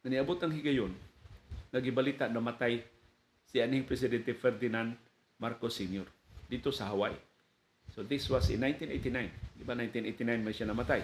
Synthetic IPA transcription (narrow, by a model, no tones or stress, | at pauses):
ŋaniabut̪aŋɦiɡajʊn | naɡibalit̪aʔnamat̪aj | sianĩŋpɾɛs̬idɛnt̪ifɛrd̪inan | markɔsinjɔr | dit̪usaɦawaj | sod̪ɪswɔsɪ̰nːãjnt̪ĩnet̪inãjnɡibanãjnt̪ĩnet̪inãjnmleʃanamat̪aj